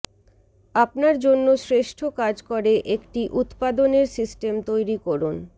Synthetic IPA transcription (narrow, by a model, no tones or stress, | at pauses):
apnaɾd͡ʑonːosɾeʃʈʰokad͡ʑkoɾeʔekʈiʔut̪pad̪oneɾsisʈemt̪ojɾikɔɾun